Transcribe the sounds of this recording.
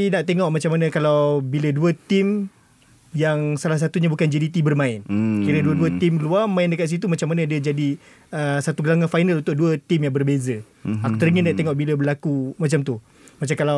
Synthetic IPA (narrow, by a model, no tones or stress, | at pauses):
inaʔt̪eŋɔʔmat͡ʃamːanə̃kalawbiləduət̪im | jaŋsalahs̬at̪uɲabukand͡ʒidit̪ibərmãɪnkiɾəduəduət̪imluamãɪndəkat̪ʔ̪s̬it̪umat͡ʃamanãdəd͡ʒadi | əsat̪uɡəlaŋafajnalunt̪ʊʔduət̪imjaŋbərbezə | aku̥t̪əɾiŋənːaʔt̪eŋɔʔbiləbəlakumat͡ʃamt̪u | mat͡ʃakala